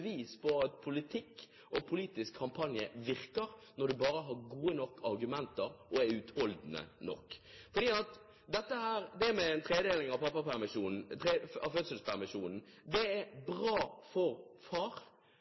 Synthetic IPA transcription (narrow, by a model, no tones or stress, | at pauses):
ʋiːspʰɔɑt̪pʰʊlɪt̪ʰɪkː | ʔɔpʰʊliːt̪ɪskʰːɑmpʰɑnjəʋɪɾkəɾnɔɾd̪ʉbɑːɾəɦɑɾɡuːənɔkːɑɾɡʉmɛnt̪əɾʔɔɛʉːt̪hɔld̪n̩ə̰nɔ̰kːfɔɾd̪iːɑt̪ | d̪ɛt̪ːəhæːɾd̪ɛːmɛɛnt̪ʰʁeːd̪eːlɪŋɑpʰɑpːɑpæmɪʃuːnn̩t̪eɑʋføːd̪səlspʰæʁmɪʃuːnn̩d̪ɛɛɾbɾɑːfɔɾfɑːɾ